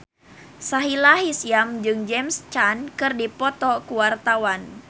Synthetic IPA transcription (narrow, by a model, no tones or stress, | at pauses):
saɦilaɦisijamd͡ʒɨŋd͡ʒɛmst͡ʃankɨrdipɔt̪ɔkuwart̪awan